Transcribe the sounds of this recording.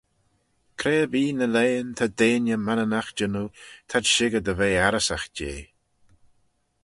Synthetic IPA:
kʰɾeːbiːnəleːnt̪ʰad̪eːnjəmanənaxd͡ʒənut̪ʰadʃɪɡəd̪əveːaɾəsaxd͡ʒḛː

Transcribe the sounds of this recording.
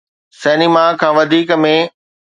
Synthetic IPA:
sɛːnimakʰãːʋɐd̪ʱiːkmẽ

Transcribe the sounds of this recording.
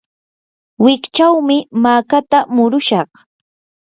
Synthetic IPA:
wɪkt͡ʃawmɪmaːkat̪amʊɾʊʃɑχ

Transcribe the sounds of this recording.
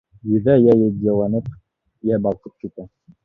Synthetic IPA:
jɵ̆ðæjæjɘd̪jɑlˠɑnɤp | jæbɑlˠq̪ɤp̚kit̪æ

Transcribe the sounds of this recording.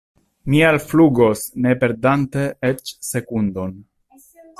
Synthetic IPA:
mialfluɡo̞sne̞pe̞ɾdante̞et͡ʃse̞kundo̞n

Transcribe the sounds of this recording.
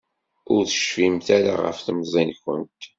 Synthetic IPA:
ʊɾθə̥ʃfimθaɾa̰ʁə̰fθəmzˤinçə̰nt̪

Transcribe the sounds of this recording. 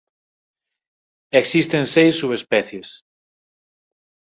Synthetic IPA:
eksist̪ensejsːuβespɛθjes

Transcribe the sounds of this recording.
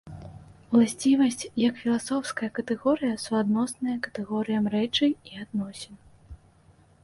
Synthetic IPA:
wlˠasʲt͡sʲivɐsʲt͡sʲjɐkfʲilˠasɔwskɐjɐkɐt̪ɛɣɔɾɨjɐsuad̪nɔsnɐjɐkɐ̥t̪ɛɣɔɾɨjɐmrɛt͡ʂɨiad̪nɔsʲɛn

